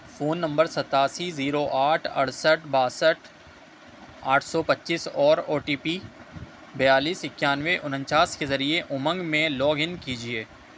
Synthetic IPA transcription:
foːnːɐ̃mbəɾsɐt̪aːsiziːɾoʔaːʈʰɐ̰ɽ̤səʈ̚ʰbaːsəʈʰ | a̰ːʈʰsɔpɐtːʃisɔːɾoːʈiːpiː | bɐjaːliːsɪkjaːnʋeʔʊnə̃nt͡ʃaːskezɐɾieʔʊmə̃ŋɡmẽlɔːɡɪnkiːd͡ʒieː

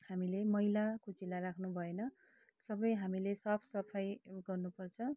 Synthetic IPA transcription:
hamilemʌilakot͡silarakʰnubʱʌenʌ | sʌbʌjɦamilesʌpʰsʌpʰajɡʌrnupʌrt͡sʰʌ

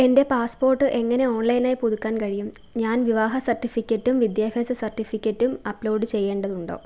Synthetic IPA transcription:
e̞nde̞paːspo̞ːrʈːɨʔe̞ŋːɐne̞o̞ːɳlɐjnaːjpuðukʲːaːnkɐɻijum | ɲaːnʋiʋaːɦɐsɐrtːifikʲːɐtːumʋid̪jaːbʱjɐːsɐsɐrʈːifikʲːɐtːumɐploːɖɨt͡ɕe̞jːe̞ːɳɖɐðuɳɖo̞̰ː

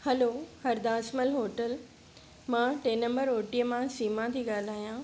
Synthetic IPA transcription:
hɐloːhɐɾd̪aːsməlɦoːʈəl | mãːʈeːnɐ̃mbəɾoːʈijəmãsiːmãt̪ʰiːɠaːl̤aːjãː

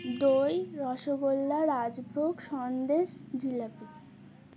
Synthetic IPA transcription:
d̪ojɾɔʃoɡolːaɾad͡ʑbʱoɡʃɔnd̪eʃd͡ʑilapi

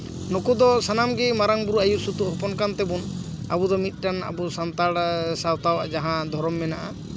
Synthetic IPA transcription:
nɔkud̪ɔsanamɡɛmaɾaŋbuɾuajuʔsut̪uʔɦɔpɔnkant̪ɛbun | abud̪ɔmit̪̚ˀʈana̰busant̪aɽsawt̪awad͡ʒaɦãd̪ʱɔɾɔmːɛnaʔa

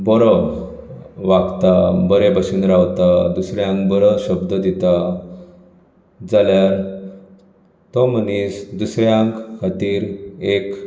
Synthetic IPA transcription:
bɔɾɔ | ʋaɡt̪abəɾebəɕuːnɾaʋt̪ad̪usɾjãŋkbəɾəɕəbd̪əd̪it̪a | d͡zaljaɾ | t̪ɔmənisd̪usɾjãŋkkʰat̪iːɾek

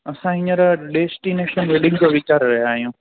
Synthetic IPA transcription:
ɐsãɦɪ̃ɲəɾɖeːsʈineːʃənʋeɗɪ̃ŋɡd͡ʑoʋɪt͡ɕaːɾːɐɦjaːɦijũː

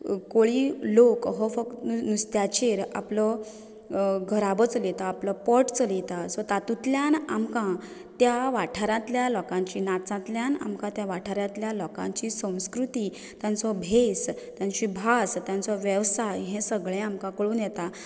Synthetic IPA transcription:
koɭiːlokɦɔfək̪nust̪jat͡ɕeɾa̰plɔ | ɡʱəɾabət͡slet̪aːplɔpəʈt͡səlet̪asɔt̪at̪ut̪ljanamkã | t̪jaʋaʈʰaɾãt̪ljalɔkãɲt͡ɕiːnat͡sãt̪ljãna̰mkãt̪jaʋaʈʰaɾãt̪ljalɔkã̰ɲt͡ɕisə̃w̃skɾut̪iː | t̪jãnt͡sɔbʱest̪jãɲt͡ɕibʱast̪jãnt͡sɔʋjəʋsajɦẽsəɡɭẽamkãkəɭuːnjɛt̪a

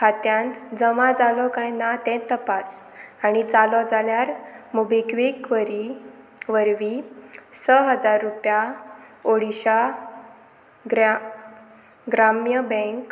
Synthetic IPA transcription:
kʰat̪jãnt̪d͡zəmãd͡zalɔkajnat̪ɛ̃t̪əpas | aɽ̃it͡salɔd͡zaljaɾmubekʋikʋəɾi | ʋəɾʋisəɦəd͡zaɾːupjaoɽiɕa | ɡ | ɡɾamjəbə̃ŋk

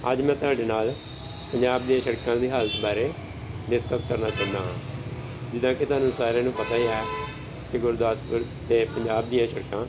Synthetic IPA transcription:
ə̰d͡ʒmɛ̃ːt̪ʊɦaːɖeːnaːl | pəɲd͡ʒaːbd̪iãːʃəɽkãːd̪iːɦəlt̪baːɾeː | bɪskəskəɾnaːt͡ʃãːnd̪aːɦː | d͡ʒɪd̪ãːket̪ʊaːnũːsaːɾãːnũːpət̪aːiːɛː | kɪɡʊɾd̪aːspʊɾ | t̪eːpəɲd͡ʒaːb̚d̪ijãːʃəɽkãː

